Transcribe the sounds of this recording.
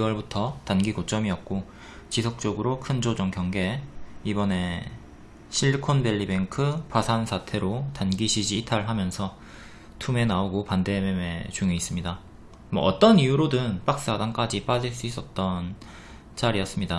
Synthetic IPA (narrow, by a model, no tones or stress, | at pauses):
kiwʌɭbutʰʌtanɡiɡot͡ɕ͈ʌmiʌk̚k͈o | t͡ɕisʰok̚t͡ɕ͈oɡɯɾokʰɯnd͡ʑod͡ʑʌŋkjʌŋɡe̞ibʌne̞ | ɕʰiɭkʰonbe̞ʎːibe̞ŋkʰɯpasʰansʰatʰe̞ɾotanɡiɕʰid͡ʑiːtʰaɭɦamjʌnsʰʌ | tʰume̞naoɡopande̞meme̞t͡ɕuŋiis͈ɯmɲida | mwʌ̰ːt͈ʌnijuɾodɯnp͈ak̚s͈adaŋk͈ad͡ʑip͈ad͡ʑiɭs͈uis͈ʌt̚t͈ʌn | t͡ɕ͈aɾijʌs͈ɯmɲida